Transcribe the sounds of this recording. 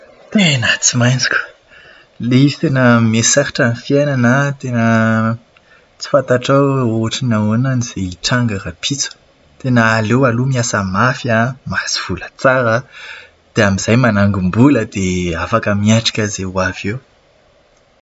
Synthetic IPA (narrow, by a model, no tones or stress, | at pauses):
t̪enat͡simajnd͡zi̥kʲu̥ | leisenəmesaɾiʈ͡ʂanifiananət̪enə | t͡si̥fant̪aʈ͡ʂawoaʈ͡ʂinaonaniz̥eiʈ͡ʂaŋɡaɾapʰit͡su̥ | t̪enəːlewalumiasamafamasiv̥ulət͡saɾə | d̪̥eamiz̥ajmanaŋɡumbuləd̪̥eafakəmiaʈ͡ʂḁkʲəzewavew